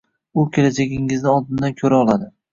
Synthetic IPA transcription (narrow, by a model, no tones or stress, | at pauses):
ʊkʲʰe̞lad͡ʒaɡʲɪŋɪznɪɒd̪ɪnd̪ankʲʰɵɾaɒlˠad̪ɪ